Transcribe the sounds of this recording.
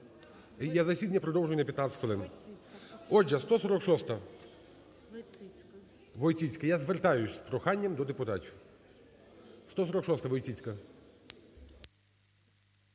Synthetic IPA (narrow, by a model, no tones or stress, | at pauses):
jazɐsʲid̪ɐnʲːɐpɾɔd̪ɔwʒʊjʊnɐpʲjɐt̪nat̪ʲsʲɪ̥tʲʋɔlˠɪn | ɔd͡ʒɐst̪ɔsɔɾɔkʃɔst̪ɐ | ʋɔjt͡sʲit͡sʲkɐjazʋert̪ɑjʊsʲspɾɔxɑnʲːɐmd̪ɔd̪epʊt̪ɑtʲiw | st̪ɔsɔɾɔkʃɔst̪ɐʋɔjt͡sʲit͡sʲkɐ